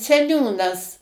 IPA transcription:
sʲɛˈnʲuːnɐs

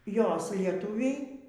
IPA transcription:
ˈjoːs lʲiɛˈtʊʋʲɛɪ

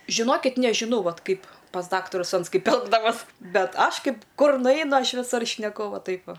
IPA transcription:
ʒʲɪˈnoːkʲɪt nʲɛʒʲɪˈnɐʊ ˈʋɐt ˈkɐɪp pɐs ˈdɑːktɐrʊs ˈɐns ˈkɐɪp ˈɛlˠɡdɐʋoːs ˈbʲɛt ˈɐʃ ˈkɐɪp ˈkʊr nʊˈɛɪnʊ ˈɐʃ ʋʲɪˈsʊr ʃʲnʲɛˈkʊ ˈʋɐ ˈtɐɪp ˈʋɐ

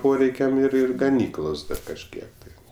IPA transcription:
ˈpoːrʲɛɪkʲɛm ɪr ˈɪr ɡɐˈnʲiːklˠoːs ˈdɐ kɐʃʲˈkʲiɛk tɐɪ

